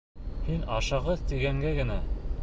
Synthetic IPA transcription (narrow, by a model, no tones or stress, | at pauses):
hinɑʃɑʁɤðt̪iɡæŋɡæɡɘ̆næ